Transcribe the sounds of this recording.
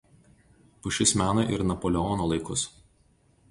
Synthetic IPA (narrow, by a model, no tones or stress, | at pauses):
pʊʃʲɪsmʲæːnoʔɪ̰ɾnɐpɔlʲɛɔnoːlˠɐɪkʊs